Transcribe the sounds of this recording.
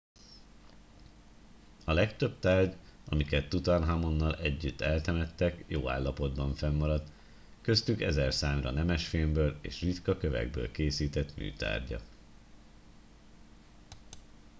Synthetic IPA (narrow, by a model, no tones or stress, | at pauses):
ɒlɛkt̪ø̞bt̪aːrɟɒmikɛt̪ːut̪ɒnɦamo̞nːɒlɛɟːyt̪ːɛlt̪ɛmɛt̪ːɛkjoːa̰ːlːɒpo̞d̪bɒɱfɛmːɒɾɒt̪ | kø̞st̪ykɛzɛrsaːmrɒ̰nɛmɛʃfeːmbøːleːʃrit̪kɒkø̞vɛ̰ɡ̚bø̰ːlkeːsiːt̪ɛt̪my̰ːt̪a̰ːrɟɒ̰